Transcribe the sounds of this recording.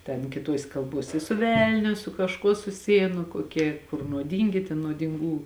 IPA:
tʲɛn kʲɪˈtuɔsʲeː kɐlˠˈbuɔsʲeː ɪ sʊ ˈʋʲɛlʲnʲʊ sʊ kɐʃˈkuɔ sʊˈsʲɪjeːn nʊ koːˈkʲiɛ kʊr nuɔˈdʲiːŋʲɡʲɪ tʲɛn nuɔdʲɪŋˈɡuː

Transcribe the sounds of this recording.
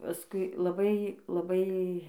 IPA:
pɐˈskʊɪ lˠɐˈbɐɪ lˠɐˈbɐɪ

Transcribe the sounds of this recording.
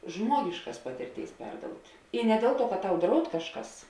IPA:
ˈʒmuɔɡʲɪʃkɐs ˈpɑːtʲɪrʲˌtʲeːɪs ˈpʲɛrdoːʊtʲ ɪ nʲɛ ˈdʲeːlˠ ˌtuɔ kɐt ˈtɐʊ ˈdrɐʊt ˈkɑːʃˌkɐs

